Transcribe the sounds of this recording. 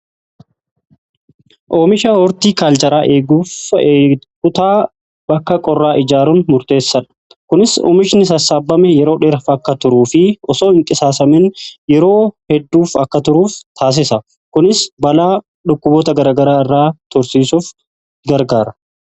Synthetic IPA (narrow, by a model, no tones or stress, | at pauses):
ʔoːmɪʃɐhɔɾt̪iːkaːlt͡ʃʼɐɾaːʔe̞ːɡuːfː | kʊt̪aː | b̥ɐkːɐkʼɔrːaːʔɪd͡ʒaːɾʊnmʊɾt̪e̞ːsːɐᶑɐ̥ | kʊnɪso̰ːmɪʃnɪsɐsːaːbːɐmɛjɛɾo̞ːᶑɛɾɐfɐkːɐt̪ʊɾuːfɪɔsoːɪŋk̪ʼɪsaːsɐmɛnjɛɾo̞ːhɛd̪ːuːfɐkːɐt̪ʊɾuːft̪ʰaːs̬ɪsɐ | kʊnɪsbɐlaː | ᶑʊkːʊbo̞ːt̪ɐɡɐɾaːɡɐɾaːɪrːaːt̪ɔɾsiːsuːf | ɡɐɾɡaːɾɐ